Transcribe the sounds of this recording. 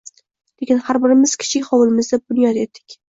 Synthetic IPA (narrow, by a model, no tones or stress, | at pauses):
lekʲɪnhaɾbɪɾɪmɪz̥kʲʰɪ̥t͡ʃʰɪkʲχɒwɪlˠɪmɪzd̪abʊnjɒt̪et̪ʰːɪ̥kʲ